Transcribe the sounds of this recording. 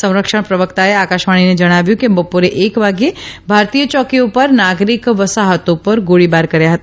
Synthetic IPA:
sɐ̃w̃ɾəkʃəɽ̃pɾəʋəkt̪aeaːkaːʃmaːɽ̃ined͡ʒɐɽ̃aːʋjũkebəpuɾeʔeːkʋaːɡebʱaːɾt̪ijət͡ʃɔːkiõpəɾnaːɡɾɪkʋəsaɦət̪õpəɾɡoɽibaːɾkɐɾjaɦɐt̪a

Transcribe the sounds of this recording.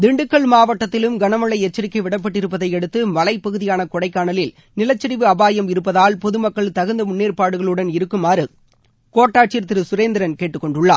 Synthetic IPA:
d̪ɪɳɖɯkːɐɭmaːʋɐʈːɐt̪ːɪlɯmɡɐnɐmɐɭːɐɪɛt͡ʃːɐɾɪkːɐɪʋɪɽɐp̬ːɐʈːɪɾɯp̬ːɐðɐɪɛɽɯt̪ːɯʋɐɭɐɪpːɐɣɯðɪjaːnɐkɔɽɐɪkːaːɳɐlɪl | nɪlɐt͡ʃːɐɾɪʋɯɐbaːjɐmɪɾɯpːɐðaːlpɔðɯmɐkːɐɭt̪ɐɣɯnd̪ɐmʊnːiːrpaːɽɯɣɐɭɯɽɐnɪɾɯkːɯmaːɾɯ | koːʈːaːʈt͡ʃiɾt̪ɪɾɯsʊɾeːnd̪ɪɾɐnkeːʈːɯkːɔɳɖɯɭːaː

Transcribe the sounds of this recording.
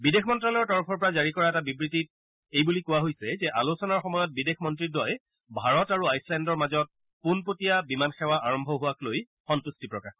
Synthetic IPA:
bidexmɔntɹalɔɹtɔɹɔpʰɔɹpɔɹazaɹikɔɹaɛtabibɹitit̚ | ejbulikʊwaɦojsɛzɛʔalosɔnaɹxɔmɔjɔt̚bidexʰmɔntɹidɔj | bʱaɹɔtaɹuajslɛndɔɹmazɔt̚ | punpotijabimanxɛwaʔaɹɔmbʱɔɦʊwakloj | xɔntustipɹɔkax

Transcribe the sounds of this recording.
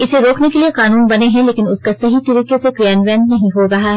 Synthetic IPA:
ɪseɾoːknekelieqaːnuːnbɐneɦɛ̃leːkɪnʊskasɐɦit̪ɐɾiːqesekɾjaːnʋɛ̃ːnnɐɦĩɦoɾɐɦaɦɛ

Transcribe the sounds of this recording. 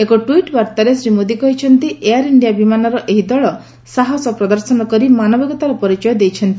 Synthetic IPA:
ekɔʈuiʈbaɾt̪aɾesɾimod̪ikɔɦit͡ʃʰɔnt̪ieaɾiɳɖijabimanɔɾɔʔeɦid̪ɔɭɔ | saɦɔsɔpɾɔd̪ɔɾsɔnɔkɔɾimanɔbɔɡɔt̪aɾɔpɔɾit͡ʃɔjɔd̪ejt͡ʃʰɔnt̪i

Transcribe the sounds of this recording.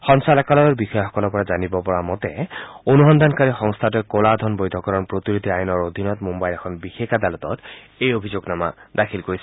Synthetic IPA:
xɔŋsalakalɔjɔɹbixɔjɔxɔ̥kɔlɔpɔɹazanibɔpɔɹamɔtɛ̰onuɦɔnd̪ankaɹixɔŋst̪ʰat̬ɛkolad̪ʱɔnbɔjdʱɔkɔɹɔnpɹot̪iɹid̪ʱiajɔnɔɹod̪ʱinɔtmombajlɛkʰɔnbixekadalɔtɔt | ejobʱizoɡnama̰dakʰilkoɹisɛ

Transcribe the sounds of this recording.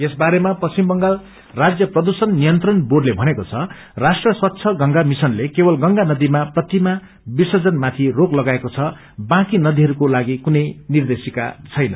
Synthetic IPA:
esbaɾemapʌt͡ɕimbʌŋɡal | rad͡zjʌprʌd̪usʌnːijʌnt̪rʌnboɖlebʱʌnekot͡sʰʌ | rasʈrʌswʌt̪ːt͡sʰʌɡʌŋɡamisʌnlekebʌlɡʌŋɡanʌd̪imaprʌt̪ima | bisʌd͡zʌnmat̪ʰiroklʌɡaekot͡sʰʌ | bãkinʌd̪iɦʌɾukolaɡikunʌjnird̪esika̰t͡sʰʌjnʌ

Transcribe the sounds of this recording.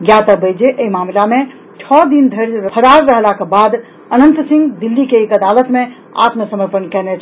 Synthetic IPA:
ɡjat̪əbəjd͡ʒeʔəimamlame | t͡ʃʰɔd̪ind̪ʱəɾpʰəɾaɾːəɦlakebad̪ | ənənt̪sĩŋɡd̪ilːikeːkəd̪alət̪me | a̰t̪məsəməɾpənkɛnɛt͡ʃʰ

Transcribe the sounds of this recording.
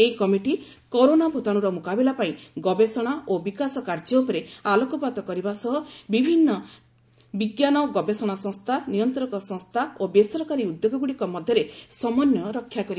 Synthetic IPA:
eikɔmiʈi | koɾonabʱot̪aɽ̃uɾɔmukabilapaĩɡɔbesɔɽ̃aʔobikasɔkaɾd͡ʒɔupɔɾealɔkɔpat̪ɔkɔɾibasɔɦɔbibʱinːɔ | biɡjanɔɡɔbesɔɽ̃asɔ̃ŋst̪ʰanijɔnt̪ɔɾɔkɔsɔ̃ŋst̪ʰaobesɔɾɔkaɾiud̪joɡɔɡuɽikɔmɔd̪ʱjɔɾesɔmɔnjɔɾɔkʰːjakɔɾi

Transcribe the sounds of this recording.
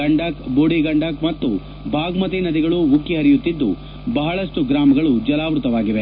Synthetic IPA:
ɐɳɖɐkboːɽiɡɐɳɖɐkmɐt̪ːu | bʱaːɡmɐt̪inɐd̪iɡɐɭuʋukːiɦɐɾijut̪ːid̪ːṵ | bɐɦɐɭɐʂʈuɡɾaːmɐɡɐɭud͡ʒɐlaːʋɾut̪ɐʋaːɡiʋe

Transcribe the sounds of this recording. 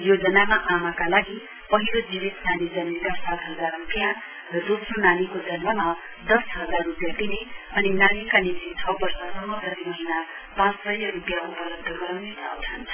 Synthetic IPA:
jod͡zʌnamaʔamakalaɡi | pʌɦilod͡zibit̪nanid͡zʌnmikasat̪ɦʌd͡zarrupjã | rʌd̪osronanikod͡zʌnmʌma | d̪ʌsɦʌd͡zarrupjat̪ineʌninanikanit̪it͡sʰʌbʌrsʌsʌmʌt̪ʌt̪imʌɦina | pãt͡ssʌjʌrupjaopʌlʌd̚d̪ʱːʌɡʌɾawnesʰa̰wt͡sʰʌn

